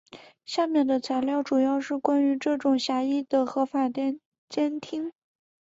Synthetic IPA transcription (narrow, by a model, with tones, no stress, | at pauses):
ɕja˥˧mjɛ˥˩nd̪ə˩t͡sʰa˧˥ɪljɑ˥˩ʊʈ͡ʂu˨˩jɑ˥˧ʊʂɻ̩˥˩kwa˥ny˧˥ʈ͡ʂɤ˥˩ʈ͡ʂʊ˨˩ŋɕja˧˥i˥˩d̪̥ə˨˩xɤ˧˥fa˨˩t̪jn | t͡ɕjɛ˥nt̪ʰi˥ŋ